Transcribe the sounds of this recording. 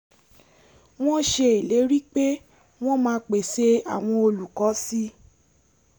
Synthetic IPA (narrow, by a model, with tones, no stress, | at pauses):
w̃ɔ̃˦ʃe˧i˨le˨˦ɾi˦k͡pe˦ | w̃ɔ̃˦mãː˦k͡pe˨se˧a˨w̃ɔ̃˧o˧lu˨kɔ˨˦si˦